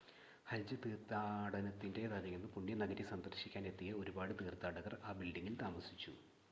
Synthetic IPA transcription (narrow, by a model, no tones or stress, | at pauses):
hɐld͡ʑɐt̪iːrt̪ːaːɽɐnɐt̪ːinde̞t̪alɐjunːɨpuɳːjɐnɐɡɐɾjisɐnd̪ɐrɕikʲːaːne̞t̪ːijɐo̞ɾubaːɽɨt̪iːrt̪ːaːɽɐɣɐraːbilɖiŋːilt̪aːmɐsit͡ɕːu